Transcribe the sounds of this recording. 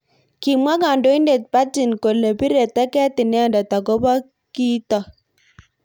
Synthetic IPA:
kɪ˨mwa˦ɡa˨ndo˦i˦nde˨t̚pa˦ti˨nko˨le˨bi˦ɾe˨tɛ˦kɛ˦tɪ˨nɛ˦ɔ˦˨nda˨ta˨ɡo˦ba˦ | ki˦tɔ˨

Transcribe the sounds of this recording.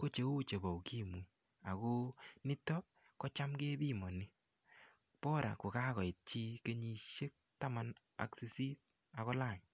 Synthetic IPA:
ko˦t͡ʃe˨o˦t͡ʃe˨bɔ˨wki˦mu˨ | a˨ko˦nɪ˦tɔ˦ | kɔ˦t͡ʃa˦mke˦bi˦˨mɔ˨ni˦ | pɔ˦ɾa̰˨ko˨ka˦kɔ˨ɪ˨t̚t͡ʃi˦ke˦ɲi˧ʃe˦k̚ta˦ma˦n | a̰˦ksi˦si˦t̚ | a˨kɔ˦la˦˨ɲ

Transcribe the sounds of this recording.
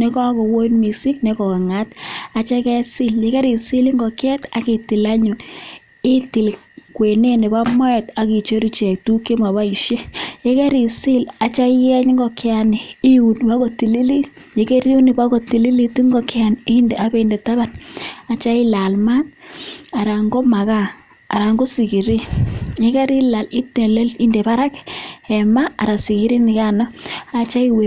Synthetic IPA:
ne˦kɔ˦a˦kɔ˨wo˦i˦nmi˨si˦ne˦kɔ˨kŋa˦ta˨t͡ʃa˦kɛ˦si˦lje˨˦ke˦ɾi˨si˦li˦ŋɡɔ˨kɛ˦ta˨ke˨ti˨la˦ɲu˨ | ɪ˦ti˨l | kwe˨ne˦ne˨ba˦mɔ˦ɛ˨ta˨ki˨t͡ʃo˦ɾi˨t͡ʃɛ˨k̚tu˦ke˦ma˨βa˦i˨ʃje˦je˦kɛ˦ɾi˨si˦la˨t͡ʃa˦jɛ˦ɲŋɡɔ˨kɪ˦a˨ni˨i˦u˨n˨pa˦ko˨ti˨li˦li˦ | je˨ke˦ɾu˦ni˨ba˦ko˨ti˨li˦li˦tu˦ŋɡɔ˨kɪa˨nɪ˦nde˨ʔa˦be˦˨nde˨ta˦ba˦˨na˨t͡ʃa˦i˦la˨lma˦na˨ɾa˨ŋɡɔ˦ma˨ka̰ː˦˨ | ɾa˨ŋɡo˦si˨ki˨ɾi˦je˦ke˦ɾi˦la˨li˦te˨le˦lti˦nde˨pa˦ɾa˦kɛ˨ma˦a˨ɾa˨si˨ki˦ɾi˦nɪ˨ka˦na˦a˨t͡ʃa˦i˦we˨

